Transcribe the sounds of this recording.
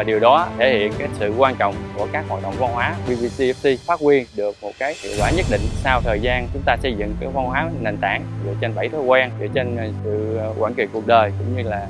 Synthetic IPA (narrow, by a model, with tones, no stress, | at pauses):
a˨˩ɗi˨˩əwɗɔ˨˦t̪ʰe˧˩hḭ˧˨ənkaː˨˦jsɨ̰˧˨kwaː˧nt͡ɕɔ̰˧˨wŋ͡mku˧˩əkaː˦˥k̚haː˨˩t̚ɗə̰˧˨wŋ͡mva˧nwaː˨˦vi˧vi˧si˧ɛ˦˥p̚si˧faː˦˥t̚kwi˧ənɗɨ˨˩ək̚mo˨˩t̚kaː˨˦jt̪ʰḭ˧˨kwa̰ː˧˩ɲə˦˥t̚ɗḭ̈˧˨ŋ̟saː˧wt̪ʰəː˨˩jzaː˧nt͡ɕʊ˨˦ŋ͡mt̪aː˧sə˧jzɨ̰˧˨ŋkaː˨˦jxwa˧nɦwaː˨˦ne˨˩nt̪aː˧˩nzɨ̰˧˩ət͡ɕe˧nɓa˧˩jt̪ʰə˨˧˦jkwaː˧nzɨ̰˧˩ət͡ɕe˧nsɨ̰˧˨kwaː˧˩nki˧˩t̚ku˨˩ək̚ɗəː˨˩jkʊ̰˧˥ŋ͡mɲɨ˧laː˨˩